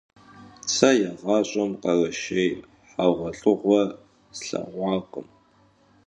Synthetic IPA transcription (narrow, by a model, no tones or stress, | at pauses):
t͡sʰajaʁaɕʷʼamqaraʃej | ħaʁʷaɬʼɨʁʷa | sɬa̰ʁʷaqʼə̰m